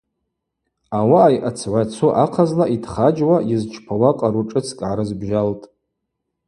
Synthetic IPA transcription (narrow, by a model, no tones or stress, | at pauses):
awaːjʔat͡sʰʕʷat͡sʰuʔaqʰazlaʔidχad͡ʒwajɪzt͡ʃʰpʰawaqʼaɾuʈ͡ʂʼɨt͡sʰkʼʕaɾɨzbʒaltʼ